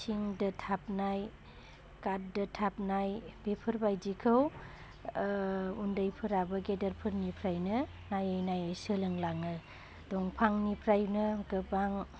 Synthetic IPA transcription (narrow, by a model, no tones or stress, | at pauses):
siŋdɯtʰap̚naj | kat̚dɯtʰap̚najbepʰɯɾbajd͡ʒikʰɯw | undajpʰɯɾabɯɡedɐɾpʰɯɾnipʰɾajnɯ | najɯjnajsɯlɯŋlaŋɯ | dɔŋpʰaŋnipʰɾajnɯɡɯbaŋ